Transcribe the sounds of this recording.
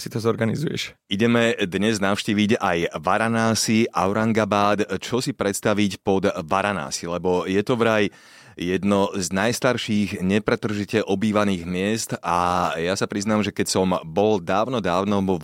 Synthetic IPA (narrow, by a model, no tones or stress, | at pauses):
sit̪ɔzɔɾɡanizujɛ̰ʃ | iɟɛmɛd̪ɲɛznaʊʃciːʋiɟajʋaɾanaːsiʔaʊɾaŋɡabaːt̪t͡ʃɔsipɾɛt̪st̪aʋicpɔd̪ʋaɾana̰ːsilɛbɔjɛt̪ɔʋɾaj | jɛd̪nɔznajst̪aɾʃiːɣɲɛpɾɛt̪r̩ʒicɛʔɔbiːʋaniːɣmɪɛst̪ajasapɾiznaːmʒɛkɛcsɔmbɔld̪aːʊnɔd̪aːʊnɔɔ